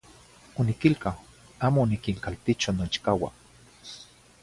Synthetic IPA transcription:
onikilkaw | aːmonikiŋkalt̪it͡ʃonot͡ʃkawa̰

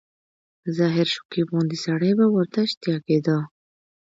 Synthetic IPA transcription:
zɑɦɪɾʃʊ̥kibund̪isaɽəjbawəɾt̪aʃt̪jɑked̪a

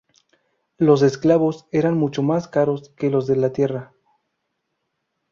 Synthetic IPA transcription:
lo̞s̬e̞sklaβo̞se̞ɾanmut͡ʃo̞maskaɾo̞ske̞lo̞zðe̞lat̪je̞ra

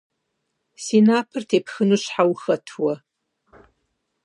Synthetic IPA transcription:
siːnaːpʰɨrtʰeːpʰxɨnuːɕħawxɐtʰwɐ

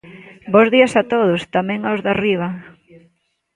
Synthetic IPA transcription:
bozðiɐsat̪oðʊst̪amɛ̃ŋawzðariβ̞ɐ

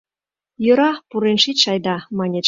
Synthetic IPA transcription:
jø̆ɾɑpuɾenʃit̪ʃɑjd̪ɑmɑnʲe

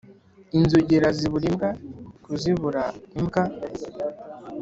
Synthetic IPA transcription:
inzuɟeɾaziβuɾimɡakuziβuɾaimɡa

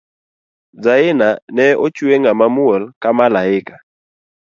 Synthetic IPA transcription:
d͡zaɪnanɛɔt͡ʃueŋɡamamuɔlkamalaɪkḁ

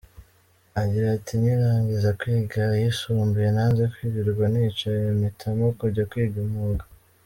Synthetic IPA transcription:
aɟiɾatʰiniɾaːŋɡizakwiːɡajisuːmbujenanzekwiːɡiɾɡwanit͡ʃaemitʰamokuɾɟakwiːɡamuɡḁ

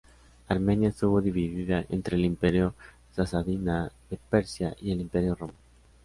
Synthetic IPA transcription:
aɾmẽnjaest̪uβoðiβiðiðaʔḛnt̪ɾeːlimpeɾjo | sasaðinaðepeɾsjaʔielimpeɾjoroman

